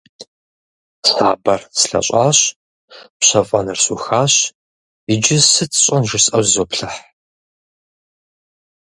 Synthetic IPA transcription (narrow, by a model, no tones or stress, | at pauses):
saːbɐrsɬɐ̰ɕʷʼaːɕ | pɕɐfʼɐnɨrɕuxaːɕ | ɪd͡ʒɪsɨtʰɕʼɐnʒɨsʼɐwzoːpɬɐħ